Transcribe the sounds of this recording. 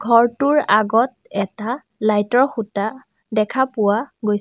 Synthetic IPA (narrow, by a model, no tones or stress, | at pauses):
ɡʱɔɹtʊɹaɡɔt̚ɛta | lajtɔɹxuta | dɛkʰapʊwaɡoj